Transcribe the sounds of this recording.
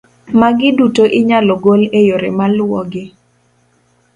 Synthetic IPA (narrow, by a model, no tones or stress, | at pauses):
maɡɪdutoʔɪɲalɔɡolejoɾḛmalʊwɔɡɪ